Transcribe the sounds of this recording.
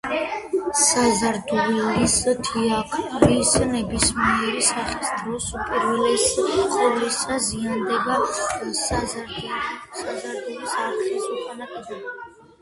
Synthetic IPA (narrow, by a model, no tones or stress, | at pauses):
sazaɾd̪ulɔɾist̪ʰiakʰʼlisnɛbismiɛɾisaχɛst̪ʼɾɔsupʼiɾvɛlɛsʼɔvlisaziand̪ɛbasazaɾd̪usazaɾd̪ulisaɾt̪isuχʼanakʼɛd̪ɛba